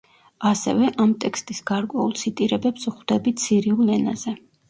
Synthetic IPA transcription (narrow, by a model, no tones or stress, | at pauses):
asɛ̰vɛʔamt̪ʼɛkʰst̪ʼisɡaɾkʼwɛulˠt̪sʰit̪ʼiɾɛbɛpsuχd̪̥ɛbit̪sʰiɾiulɛna̰zɛ